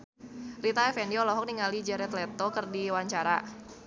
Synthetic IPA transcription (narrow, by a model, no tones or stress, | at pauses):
rit̪aɛfɛndiɔlɔɦɔk̚niŋalid͡ʒɛɾɛt̪lɛt̪ɔkərdiwaɲt͡ʃaɾa̰